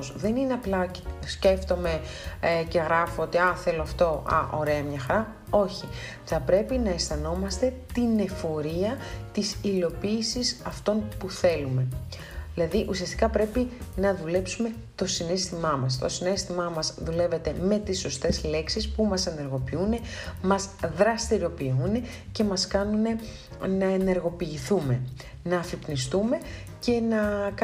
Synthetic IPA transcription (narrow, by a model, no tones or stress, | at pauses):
sðe̞nine̞ɐplɐ | sce̞ft̪o̞me̞ce̞ɣɾɐfoot̪iɐθe̞loɐft̪o̞ʔɐ̰ʔo̞ɾe̞ɐmɲɐxɐɾɐ | o̞çi | θɐpɾe̞pinɐest̪ɐno̞mɐst̪e̞t̪ine̞fo̞ɾiɐt̪isilo̞piːsisɐft̪o̞npuθe̞lume̞ | ðilɐðiʔusiɐst̪i̥kɐpɾe̞pinɐðule̞psume̞ | t̪o̞sine̞st̪imɐmɐs̬t̪o̞sine̞st̪imɐmɐzðule̞ve̞t̪e̞me̞t̪iso̞st̪e̞zle̞ksispumɐse̞ne̞ɾɣo̞piune̞mɐzðɾɐst̪iɾo̞piune̞ | ce̞mɐskɐnune̞ | nɐe̞ne̞ɾɣo̞piːθume̞ | nɐːfipnist̪ume̞ | ce̞nɐk